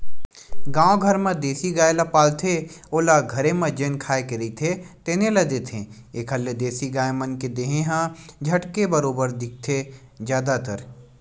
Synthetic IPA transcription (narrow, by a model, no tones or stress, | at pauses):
ɡãːõɡʱɐɾmɐ̃d̪eːsiɡaːjlapaːlt̪ʰeoːlaɡʱɐɾemɐ̃d͡ʒeːnkʰaːekeɾit̪ʰet̪eːnelɐd̪eːt̪ʰẽ | eːkʰɐld̪eːsiɡaːemɐnked̪eːɦẽɦãd͡ʒʱɐʈkebɐɾoːbəɾd̪ɪk̚t̪ʰe | d͡ʒjaːd̪at̪əɾ